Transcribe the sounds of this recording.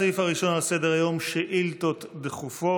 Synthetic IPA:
ifaʁiʃo̞nasedeʁajo̞mʃeʔilt̪ot̪deχufo̞

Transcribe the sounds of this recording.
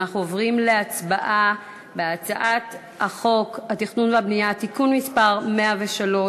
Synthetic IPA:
aχuovʁimle̞at͡sbaʔa | beat͡saʔat̪ | haχo̞khat̪iχnunveabnijat̪ikunmispaʁmeaveʃalo

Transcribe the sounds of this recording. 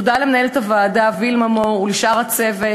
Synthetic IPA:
od̪alemenaelet̪avaːdavilmamouliʃaʁat͡seve

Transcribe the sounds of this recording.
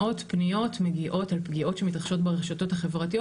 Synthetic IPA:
o̞tpnijo̞tmeɡiʔo̞talpɡio̞tʃemitʁaχʃo̞tbeʁeʃoto̞thaχe̞vʁati

